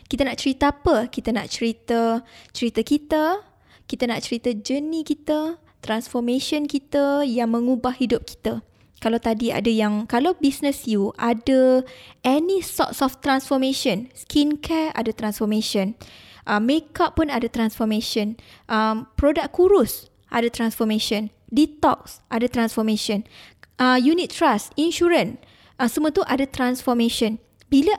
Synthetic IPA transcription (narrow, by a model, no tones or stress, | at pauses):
kit̪ənaʔt͡ʃəɾit̪əapəkit̪əna̰ʔt͡ʃəɾit̪ət͡ʃəɾit̪əkit̪ə | kit̪ənaʔt͡ʃəɾit̪əd͡ʒənikit̪ə | t̪ɾansfɔmẽʃɔnkit̪əjaŋmə̃ŋubahhidʊp̚ki̥t̪a | kalawt̪adia̰dəjaŋkalawbisnəsjuʔadəʔɛnĩsɔ̰tsɔft̪ɾansfɔmẽʃɔnskʰinkʰɛa̰dat̪ɾansfɔmẽʃɔ̃n | ʔəmːekapːunadat̪ɾansfɔmẽʃɔ̃nʔəmpɾodak̚kːuɾus | ʔa̰dət̪ɾansfɔmẽʃɔ̃n | dit̪ɔk̚sʔadat̪ɾansfɔmẽʃɔnəjunit̪̚ːɾasinʃuɾən | asəmũə̃t̪uʔadat̪ɾansfɔmẽʃɔn | bila